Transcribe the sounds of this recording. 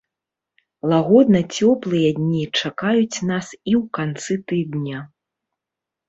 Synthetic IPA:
lˠaɣɔd̪nɐt͡sʲɔplˠɨjɐd̪ʲnʲit͡ʂakajut͡sʲnasiwkant̪sɨt̪ɨd̪nʲa

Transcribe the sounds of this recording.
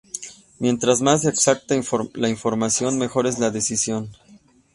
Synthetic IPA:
mje̞nt̪ɾazmazðeːksak̚t̪alaiɱfo̞ɾmasjo̞nme̞xo̞ɾe̞zlaðe̞sisjo̞n

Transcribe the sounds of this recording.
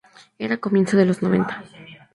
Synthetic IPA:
e̞ɾako̞mje̞nsoðe̞lo̞zno̞βe̞̰nt̪ḁ

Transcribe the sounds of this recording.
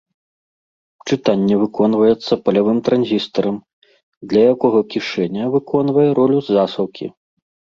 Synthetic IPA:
t͡ʂɨt̪anʲːɛvɨkɔnvɐjɛt̪sːɐpɐlʲavɨmt̪ɾanzʲist̪ɐɾɐm | d̪lʲɐjakɔɣɔkʲiʂɛnʲɐvɨkʰɔn̪vɐjɛɾɔlʲuzːasɐwkʲḭ

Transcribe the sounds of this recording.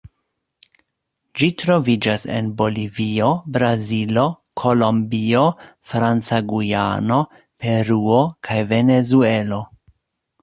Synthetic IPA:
d͡ʒitɾo̞vid͡ʒase̞̰nbo̞livio̞bɾazilo̞ | kʰo̞lo̞mbio̞fɾant͡saɡuja̰no̞ | pe̞ɾuo̞kʰajve̞ne̞zue̞lo̞

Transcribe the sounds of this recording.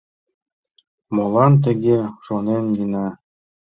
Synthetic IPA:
molˠɑnt̪ɘ̆ɡʲeʃonenɡinɑ

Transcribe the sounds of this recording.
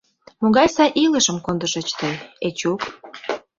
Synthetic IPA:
moɣɑjsɑʔiləʃə̆mkond̪ə̆ʃet͡ɕt̪əjet͡ɕuk

